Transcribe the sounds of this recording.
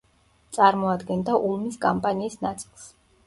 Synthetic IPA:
t̪sʼaɾmɔad̪ɡɛnd̪aʔulˠmiskʼampʼaniːsnat̪sʼilˠs

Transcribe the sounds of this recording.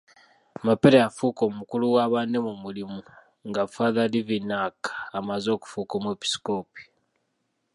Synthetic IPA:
mapeɾeafuːko̞mukuluwaːβaːnemumulimu | ŋɡafaðalivinakḁamazo̞ːku̥fuːkomwepi̥sko̞ːpi̥

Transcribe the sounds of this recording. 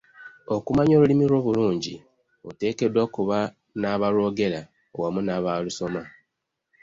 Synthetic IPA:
o̞kumaɲo̞ːlulimiɾo̞ːβuluːɲɟḭ | ote̞ːke̞dwakuβa | naːβaɾo̞ːɡe̞ɾa | owamunaːβaluso̞ma

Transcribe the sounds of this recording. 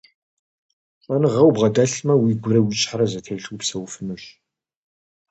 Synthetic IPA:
qʼɐnɨʁɐwbʁɐdɐɬmɐwiːɡʷʊɾɐwit͡ʃʼħarɐzɐtʰejɬupsɐwfɨnɨɕ

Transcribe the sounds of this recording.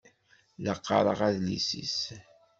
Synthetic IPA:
ləqːɑɾˤə̰ʁæðlisḭs

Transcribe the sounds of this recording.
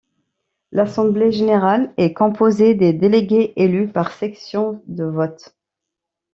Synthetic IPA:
lasɑ̃bleʒeneʁalɛkɔ̃pozed̪ed̪eleɡʲeʔelypaʁsɛksjɔ̃d̪əvɔt̪

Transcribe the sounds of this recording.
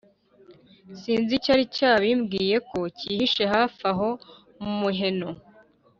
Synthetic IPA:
siːnzicaɾicaːβimɡiːje̞ko̞cihiʃe̞ɦafaɦo̞ | mumuɦe̞no

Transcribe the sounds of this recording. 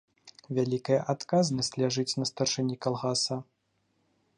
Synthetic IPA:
vʲalʲikɐjɐʔat̪kaznɐsʲt͡sʲlʲaʐɨt͡sʲnɐst̪ɐrʂɛnʲikalˠɣasɐ

